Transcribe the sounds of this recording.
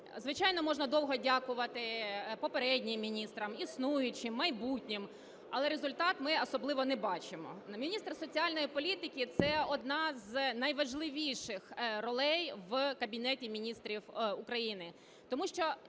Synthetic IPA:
zʋɪt͡ʃɑjnɔmɔʒnɐd̪ɔwɦɔdʲakʊʋɐt̪ɪpɔpeɾɛdʲnʲɪmːʲinʲist̪ɾɐmisnujʊt͡ʃɪmːɐjbutʲnʲɪm | ɐlˠɛɾezʊlʲt̪ɑt̪mɪɔsɔblˠɪʋɔnɛbɑt͡ʃɪmɔ̰mʲinʲist̪rsɔt͡sʲiɑlʲnɔjipɔlʲit̪ɪkʲɪt̪sɛɔd̪nɑznɐjʋɐʒlˠɪʋʲiʃɪxrɔlˠɛjʋkɐbʲinɛtʲimʲinʲist̪ɾʲiwʊkɾɐjinɪ | t̪ɔmuʃt͡ʃɔ

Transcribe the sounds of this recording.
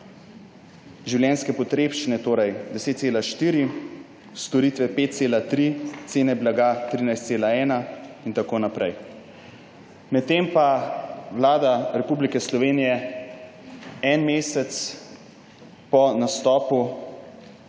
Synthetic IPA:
ʒiwljɛːnskɛpɔt̪ɾeːpt͡ʃinɛt̪oːɾɛjd̪ɛseːt̪t̪seːlaʃt̪iːɾi | st̪ɔɾiːt̪ʋɛpeːt̪̚t̪seːlat̪ɾit̪seːnɛblaɡat̪ɾiːnajst̪seːlaɛːnaint̪akoːnapɾɛj | mɛt̪̚tːempaʋlaːd̪aɾɛpuːblikɛslɔʋeːnijɛ | ɛnmeːsɛt̪s | pɔnast̪ɔːpu

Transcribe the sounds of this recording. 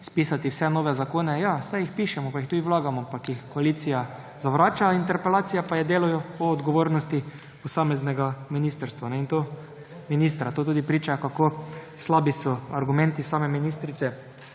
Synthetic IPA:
spiːsat̪iwsɛnoːʋɛzakoːnɛjasajixpiːʃɛmɔpaixt̪uːd̪iwlaːɡamɔpakɪxkɔaliːt̪sija | zaʋɾaːt͡ʃaint̪ɛɾpɛlaːt̪sijapajɛd̪eːlujɔɔːd̪ɡɔʋoːɾnɔst̪i | pɔsaːmɛznɛɡaminist̪əɾst̪ʋanɛint̪oː | minist̪ɾat̪oːt̪uːd̪ipɾiːt͡ʃakakoːslaːbisɔaɾɡumɛ̃nt̪isaːmɛminiːst̪ɾit̪sɛ

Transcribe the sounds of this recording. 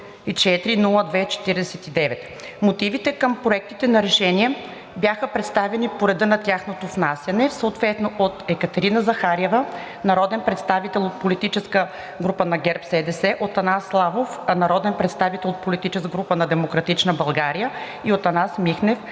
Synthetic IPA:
it͡ʃɛt̪ɾinulˠəd̪vɛt͡ʃɛ̥t̪iɾd̪ɛsɛt̪id̪ɛvɛt̪ | mot̪ivit̪ɛkəmpɾoɛk̚t̪it̪ɛnɐɾɛʃɛniɛ | bjaxəpɾɛt̪st̪avɛnipoɾɛd̪ənɐt̪ʲjaxnot̪ovnasʲjɐnɛsəot̪vɛt̪noʔot̪ɛkət̪ɛɾinəzɐxaɾɛvə | nɐɾɔd̪ɛnpɾɛt̪st̪avit̪ɛlˠot̪̚polit̪it͡ʃɛskə | ɡɾupənɐɡɛɾpsɛd̪ɛsɛʔot̪ɐnaslˠavofnɐɾɔd̪ɛnpɾɛt̪st̪avit̪ɛlˠot̪̚polit̪it͡ʃɛskɡɾupənɐd̪ɛmokɾɐt̪it͡ʃnəbɐlˠɡaɾijə | iot̪ɐnasmixnɛf

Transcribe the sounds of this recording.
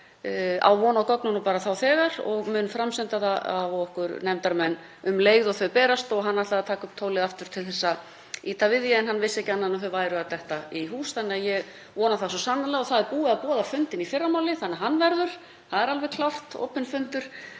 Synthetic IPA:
a̰wvɔːnakɔknʏnɔpaːɾaθawθɛːɣaɾɔɣmʏnfɾamsɪnt̪aðaavɔhkʏɾnɛmt̪aɾmɛnː | ʏmleːjɣðɔɣθœðpɛːɾast̪ɔɣɦanːat̪aat̪ʰaːkʏmt̪ʰoːwlɪðaft̪ʏɾ̥t̪ʰɪlθɛsːa | iːt̪avɪðjɛɛnɦanvɪsːɛhcɪanːanafɛɾvaːjɾʏat̪ɛht̪aiɦuːsθanːɛajɛɣ | vɔːnaθasɔsamnːalɛɣɔθaðɛɾpuːɪaðpɔːðafʏnt̪ɪnifɪrːamaːwlɪθanːɛaɦanːvɛɾðʏɾ̥ | θaðɛɾalvɛɾkʰlawr̥t̪o̰ːwpɪnfʏnt̪ʏɾ̥

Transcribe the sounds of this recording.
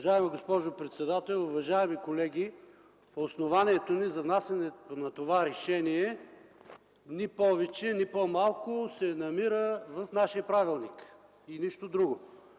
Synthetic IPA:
ʒaɛmiɡospɔʒopɾɛt̪sɛd̪at̪ɛlˠʊvɐʒaɛmikolɛɡʲi | osnovaniɛt̪onizɐvnasɐnɛt̪onɐt̪ovaɾɛʃɛniɛ | nipɔvɛt͡ʃɛnʲipomalˠkʊsɛnɐmiɾəvɐfnaʃijəpɾavilˠnik | iniʃt̪od̪ɾuɡo

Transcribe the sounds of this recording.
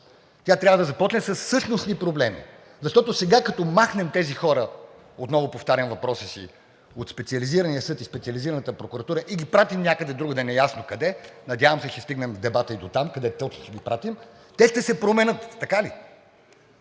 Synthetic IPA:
t̪ʲat̪ɾʲavəd̪ɐzɐpɔt͡ʃnɛsɐsːɤʃnosnipɾoblɛmḭ | zɐʃt̪ɔt̪osɛɡakɐt̪ɔmaxnɛmt̪ɛzixɔɾə | ot̪nɔvʊpoft̪aɾʲɐnvɐpɾɔsisḭ | ot̪spɛt̪siɐliziɾɐniəsɤt̪ispɛt̪siɐliziɾɐnət̪əpɾokuɾɐt̪uɾəʔiɡʲipɾat̪imnʲakəd̪ɛd̪ɾuɡəd̪ɛnɛjasnokɐd̪ɛnɐd̪ʲjavɐmsɛʃɛst̪iɡnɛmvd̪ɛbat̪əid̪ot̪amkɐd̪ɛt̪ɛt͡ʃ̪ʃɡʲipɾat̪im | t̪ɛʃt̪ɛsɛpɾomɛnɤt̪ːɐkali

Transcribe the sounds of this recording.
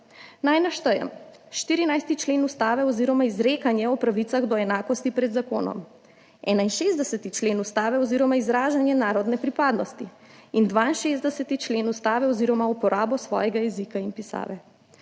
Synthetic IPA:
najnaʃt̪əjɛ̰m | ʃt̪iɾinajst̪it͡ʃleːnust̪aːʋɛɔziːɾɔmaizɾeːkanjɛɔpɾaʋit̪saɣd̪ɔɛnaːkɔst̪ipɾɛd̪zakoːnɔ̰m | ɛːnainʃeːzd̪ɛsət̪it͡ʃleːnust̪aːʋɛɔziːɾɔmaizɾaːʒanjɛnaːɾɔd̪nɛpɾipaːd̪nɔst̪i | ind̪ʋaːinʃezd̪ɛsət̪it͡ʃleːnust̪aːʋɛɔziɾɔmaupɔɾʔaːbɔsʋɔ̰ːjɛɡajɛzikainpisa̰ːʋɛ

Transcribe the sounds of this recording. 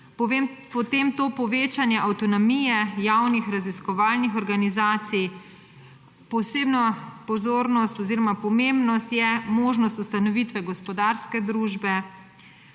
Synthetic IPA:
pempɔt̪eːmt̪oːpɔʋeːt͡ʃanjɛʔawt̪ɔnɔmijɛjawnixɾaziskɔʋaːlnixɔɾɡanizaːt̪sij | pɔsebnapɔzoːɾnɔst̪ɔziːɾɔmapɔmembnɔst̪jɛmoːʒnɔst̪ust̪anɔʋit̪ʋɛɡɔspɔd̪aɾskɛd̪ɾuːʒbɛ

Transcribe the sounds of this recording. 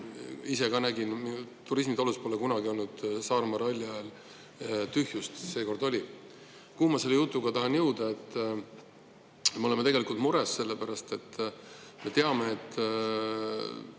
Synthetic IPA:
ise̞kɑnæɡinmt̪uɾis̬mit̪oluspo̞lekunɑɡio̞lnud̪̥sɑːrmɑrɑlʲːɑel | t̪yhjust̪se̞ːko̞rd̪o̞lʲi | kumɑse̞lːejut̪ˑːuɡ̥ɑt̪ɑɦɑnjɤwd̪ɑe̞t̪ː | meo̞le̞met̪e̞ɡelikˑult̪muɾesːe̞lːepæɾɑst̪e̞t̪ːme̞t̪eɑme̞ːt̪ː

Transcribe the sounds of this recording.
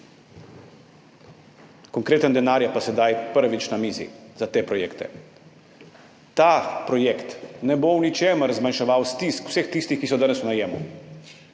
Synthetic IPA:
kɔŋkɾeːt̪ənd̪ɛnaːɾjapasɛd̪ajpəɾʋit͡ʃnamiːzḭzat̪eːpɾɔjeːkt̪ɛ̰ | t̪apɾɔjekt̪nɛbownit͡ʃeːməɾzmanʃɛʋaːwst̪iskw̥sext̪ist̪ixkisɔd̪aːnɛsunajeːmṵ

